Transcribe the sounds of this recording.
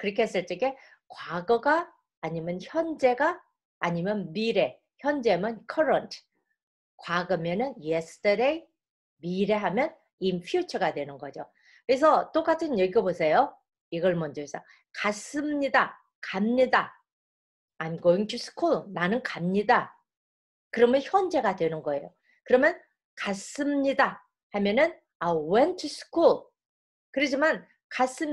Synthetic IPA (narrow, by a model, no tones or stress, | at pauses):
kɯɾʌkʰees͈ɯɭt͡ɕ͈eɡe̞ | kwaɡʌɡaː | ɲimjʌnçjʌnd͡ʑe̞ɡaː | ɲimjʌnmiɾe̞ | çjʌnd͡ʑe̞mɯnkʰʌɾʌntʰɯ̥ | kwaɡɯmʌnɯnjesʰɯ̥tʰʌɾe̞i | miɾe̞ɦamjʌn | inpʰijut͡ɕʰʌɡadwe̞nɯnɡʌd͡ʑo | kes̬ʰʌt͈ok͈atʰɯnjeɡiʌbosʰe̞jo | iɡʌɭmʌnd͡ʑʌs͈a | kas͈ɯmɲida | kamɲida | anɡoiŋtʰusʰɯ̥kʰuɭnanɯnkamɲida | kɯɾʌmjʌnçjʌnd͡ʑe̞ɡadwe̞nɯnɡʌe̞jo | kɯɾʌmjʌn | kas͈ɯmɲida | hamjʌnɯn | awentʰusʰɯ̥kʰuɭ | kɯɾid͡ʑiman | kas͈ɯm